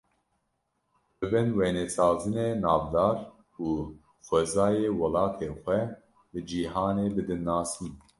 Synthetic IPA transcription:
bɨbɨnwenɛsɑːzɨneːnɑːvd̪ɑːɾ | uː | xʷɛzɑːjeːwɐlɑːt̪ʰeːxʷɛ | bɨd͡ʒiːɦɑːneːbɨd̪ɨnːɑːsɨn

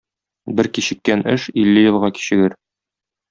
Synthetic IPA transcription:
bɘɾkiɕɘ̆kːænɘʃilːɘjɤ̆lˠʁɑki̥ɕɘ̆ɡɘɾ

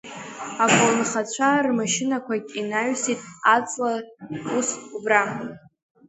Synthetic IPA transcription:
akʷʼolnχat͡ɕʷʰarmaʃɪnakʷʰakʲʼinaɥsitʼat͡sʼlausubra

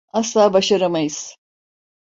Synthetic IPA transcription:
aslˠaːbaʃaɾamajɯz̥

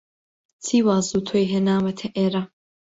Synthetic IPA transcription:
t͡sʰiːwaːzuːt̪ʰojɦenaːwɐt̪ʰɐʔeːɾa

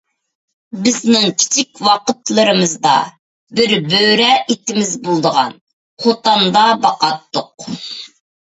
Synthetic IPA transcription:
bɪznɪŋkʲʰi̥t͡ʃʰik̚ʲwɑqət̪lˠɨɾɨmɨzd̪ɑ̰ | bɪɾbøɾɛʔit̪ɪmɪzbolˠd̪əʁɑ̰n | χot̪ɑnd̪ɑbɑqɑt̪ːʊq̚

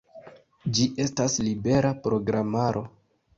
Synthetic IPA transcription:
d͡ʒiʔe̞staslibe̞ɾapɾo̞ɡɾamaɾʔo̞

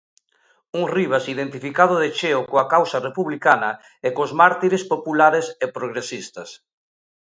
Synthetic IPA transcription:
uŋriβ̞asiðent̪ifikaðʊðet͡ʃeokoakawsɐrepuβlikanɐ | ekozmaɾt̪iɾespopulaɾesepɾoɣɾesist̪ɐs

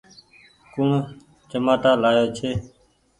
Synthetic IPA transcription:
kũɳ | t͡ʃəmaːʈaːlaːjoːt͡ʃʰeː

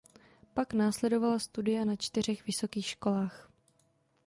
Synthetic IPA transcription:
paknaːslɛdo̞valast̪udɪjanat͡ʃt̪ɪr̝ɛxvɪso̞kiːxʃko̞laːx

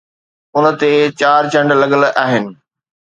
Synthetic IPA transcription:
ʊnə̆t̪et͡ɕaːɾt͡ɕɐ̃ɳɖlɐɠəlaːɦɪnɪ̆

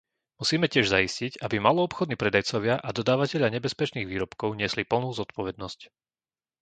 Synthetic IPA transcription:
musiːmɛcɪɛʒzaiscicabimalɔɔpxɔd̪niːpɾɛd̪ajt͡sɔʋɪaʔad̪ɔd̪aːʋacɛʎaɲɛbɛspɛt͡ʃniːɣʋiːɾɔpkɔʊɲɪɛslipl̩nuːzɔt̪̚pɔʋɛd̪̚nɔsc

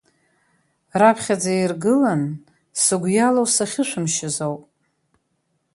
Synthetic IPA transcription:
rapʰχʲad͡zairɡɨlan | sɨɡʷjalowsaχʲɪʃʷᶣɨmʃɪzowpʼ

